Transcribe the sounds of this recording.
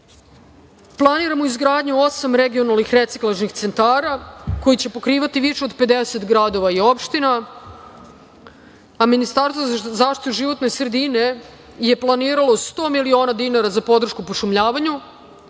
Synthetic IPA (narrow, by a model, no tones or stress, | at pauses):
plˠaniɾamoizɡɾaːd̪ɲuo̞samɾeɡio̞nalˠnixɾe̞t̪siklˠaʒnixt̪se̞nt̪aːɾako̞jit͡ɕe̞po̞kɾiːʋat̪iʋiʃeo̞d̪pe̞d̪ese̞t̪ɡɾad̪o̞ʋaio̞pʃt̪ina | aminist̪aɾst̪ozaːʃt̪it̪uʒiʋo̞t̪nesɾed̪ine̞ | je̞plˠaniːɾalˠo̞st̪o̞ːmilio̞ːnad̪inaɾazapo̞d̪r̩ʃkupoʃumʎaːʋaɲu